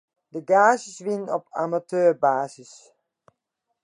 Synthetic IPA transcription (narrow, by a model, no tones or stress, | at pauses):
dəɡaːzəsʋɪnɔpʰa̰matøːɹbaːsəs